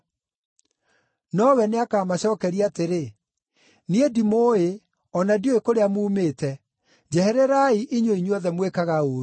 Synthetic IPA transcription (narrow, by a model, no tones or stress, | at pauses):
nɔwɛneakaːmaɕɔːkɛɾiateɾe | niedimoe | ɔnadioekoɾeamuːmeːtɛ | d͡ʑɛhɛɾɛɾaiʔiɲoiɲɔðɛmwekaɣaoːɾ